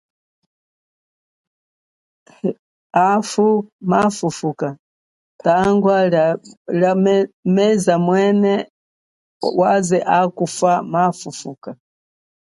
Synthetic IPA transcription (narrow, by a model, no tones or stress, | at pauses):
afumafufuka | taŋɡwa | amɛzamwɛnɛ | wazɛʔakufamafufuːka